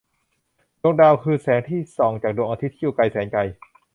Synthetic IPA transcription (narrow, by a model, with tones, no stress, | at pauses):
doː˧ŋdaː˧wkʰɯː˧sɛː˩˦ŋt̪ʰiː˥˩sɔː˩˦ŋt͡ɕaː˨˩k̚doː˧ŋʔaː˧t̪i˦˥t̪ʰːi˥˨˩wka˧jsɛː˩˦ŋka˧j